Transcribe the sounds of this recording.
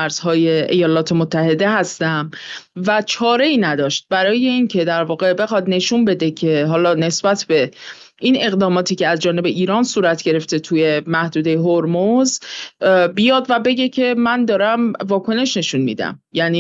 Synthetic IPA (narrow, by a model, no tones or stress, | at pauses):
æɾz̥hɒːje̞ḛjɒːlɒːt̪ʰe̞mot̪ʰːæhe̞d̪e̞ɦæst̪æmvæt͡ʃʰɒːɾe̞iːnæd̪ɒːʃt̪̚bæɾɒːje̞incʰe̞d̪æɾvɒːɣe̞be̞xɒːd̪ne̞ʃunbe̞d̪e̞cʰe̞ɦɒːlɒːne̞sbæt̪ʰbe̞ | ʔine̞ɣd̪ɒːmɒːt̪ʰiːcʰeæzd͡ʒɒːne̞be̞ʔiːɾɒːnsuːɾæt̪ʰɟ̥e̞ɾe̞ft̪e̞t̪ʰuje̞mæhd̪uːd̪e̞jeɦoɾmoz | bijɒːd̪væbe̞ɟe̞cʰe̞mænd̪ɒːɾæmvɒːkʰo̞ne̞ʃne̞ʃunmḭːd̪æ̰mjæniː